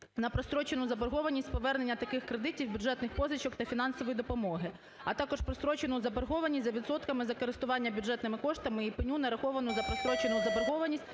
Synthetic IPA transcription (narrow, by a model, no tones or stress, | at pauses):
nɐpɾɔst̪ɾɔt͡ʃenʊzɐbɐrɦɔʋɐnʲisʲtʲpɔʋɛrnenʲːɐt̪ɐkɪxkɾed̪ɪtʲiwbʲʊdd͡ʒɛt̪nɪxpɔzʋʲɪt͡ʃɔkt̪ɐfʲin̪ɑn̪sɔʋɔjid̪ɔpɔmɔɦɪ | ɐt̪ɑkɔʃpɾɔst̪ɾɔt͡ʃenʊzɐbɐrɦɔʋɐnʲit̪ʲzɐʋʲid̪sɔt̪kɐmɪzɐkɔɾɪst̪ʊʋɑnʲːɐbʲudʐɛt̪nɪmɪkɔʃt̪ɐmɪipɪnʲunɐɾɐxɔʋɐnʊzɐpɾɔst̪ɾɔt͡ʃenʊzɐbɐrɦɔʋɐnʲisʲtʲ